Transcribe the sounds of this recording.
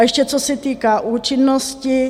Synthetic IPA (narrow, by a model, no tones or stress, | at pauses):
ɛʃcɛt͡sosɛt̪iːkaʔuːt͡ʃɪnːoscɪ